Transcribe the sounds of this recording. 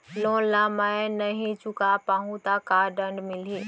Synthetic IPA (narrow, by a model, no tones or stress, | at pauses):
lõːlamanəɦĩt͡ʃʊkapaːɦũt̪akaːɖə̃ɳɖmɪliː